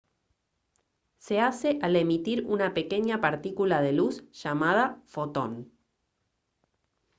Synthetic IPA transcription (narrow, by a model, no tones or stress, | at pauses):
se̞ase̞ʔale̞mit̪iɾunape̞ke̞ɲapaɾt̪ikulað̞e̞lusʃamað̞afo̞t̪o̞n